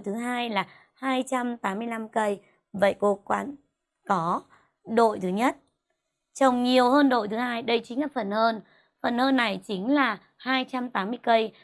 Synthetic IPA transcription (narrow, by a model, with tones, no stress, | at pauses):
jt̪ʰɨ˨˦ɦaː˧jlaː˨˩ | haː˧jt͡ɕa˧mt̪aː˨˦mːɨ˧əjla˧mkə˧j | və̰˧˨jko˨˦kwa̰ː˧˥n | kɔ˨˦ | ɗo̰˧˨jt̪ʰɨ˨˦ɲə˦˥t̚ | t͡ɕə˧˩wŋ͡mɲi˨˩əwhəː˧nɗo̰˧˨jt̪ʰɨ˨˦haː˧jɗə˧jt͡ɕï˨˦ŋ̟laː˨˩fə˨˩nhəː˧n | fə˨˩nhəː˧nːa˨˩jt͡ɕï˨˦ŋ̟laː˨˩ | haː˧jt͡ɕa˧mt̪aː˨˦mɨ˧əjkə˧j